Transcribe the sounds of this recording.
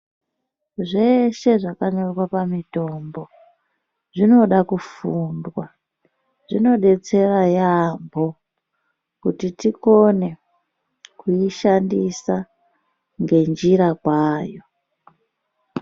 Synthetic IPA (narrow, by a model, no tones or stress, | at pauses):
ʐe̞ʃe̞ʐakaɲo̞rwapamito̞mbo̞ | ʐino̞ɗakufundwa | ʐino̞ɗe̞t͡se̞rajambo̞ | kutitiko̞ne̞ | kuiʃandisa | ŋɡe̞nd͡ʒiɾakwaːjo̞